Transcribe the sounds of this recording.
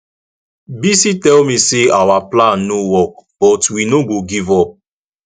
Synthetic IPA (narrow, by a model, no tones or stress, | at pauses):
bisitɛlmĩseawaplãnːowɔk̚b̥ɔtwinoɡoɡivɔp̚